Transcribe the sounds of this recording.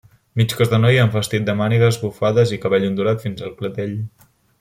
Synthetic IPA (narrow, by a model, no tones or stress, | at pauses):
mit͡ʃkɔzðənɔjaɱfəst̪it̪̚d̪əmaniɣəzβufaðəzikəβɛʎund̪uɾat̪finzəlˠklət̪eʎ